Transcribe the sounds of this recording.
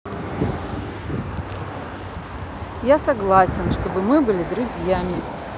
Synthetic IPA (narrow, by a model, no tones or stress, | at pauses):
jasɐɡlˠasʲɪnʂt̪o̞bɨmɨbɨlʲɪd̪ɾʊzʲjamʲɪ